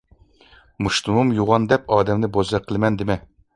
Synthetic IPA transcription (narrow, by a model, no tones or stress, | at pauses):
muʃt̪umumjuʁɑnd̪ɛpɑːd̪ɛmnɪbozɑqʰəlˠmɛnd̪ɪmɛ